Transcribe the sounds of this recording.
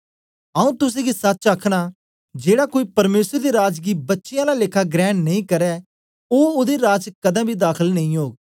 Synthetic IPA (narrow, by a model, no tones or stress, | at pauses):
əũːt̪ʊs̬ẽːɡisɐtːt͡ʃakʰɽ̃aː | d͡ʒeːɽaːkoːiːpɐɾmeːsəɾd̪eɾaːd͡ʒɡiːbɐtːʃɪjãːlalɪkʰaɡɾɛ̃ːɳnɐĩːkəɾɛː | oːʊd̪eɾaːd͡ʒkɐd̪ãːbʱiːd̪aːkʰəlnɐĩɦoːɡ̚